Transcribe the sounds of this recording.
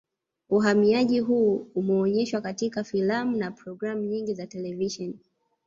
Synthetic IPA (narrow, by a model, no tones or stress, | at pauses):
uɦamiaʄiɦuːumɛɔɲɛʃwakatikafilamunapɾɔɡɾamuɲiŋɡizatɛlɛviʃɔni